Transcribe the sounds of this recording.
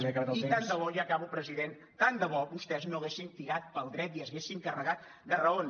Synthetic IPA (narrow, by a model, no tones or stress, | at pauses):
k̪it̪and̪əβɔʒakaβupɾəziðen | t̪and̪əβɔbust̪ɛznoɣesint̪iɾat̪̚pəlˠd̪ɾɛt̪iəzesiŋkərəɣat̪̚ | d̪ərəon